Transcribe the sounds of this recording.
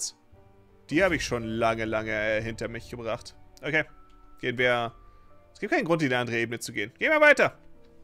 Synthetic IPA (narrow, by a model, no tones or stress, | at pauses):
s | d̥iːhaːbəɪçʃoːnlaŋəlaŋəɦɪntɐmɪçɡ̥əbʁaχtʔokʰeːɡ̥eːənviːɐʔɛsɡ̥iːtkʰaɪnɡʁʊntiːnəʔandəʁəʔeːbənət͡suɡeːənɡeːənviːɐvaɪtɐ